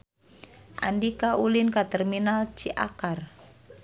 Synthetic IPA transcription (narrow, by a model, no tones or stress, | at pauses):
ʔa̰ndikaulinkat̪ərminalt͡ʃiʔa̰kar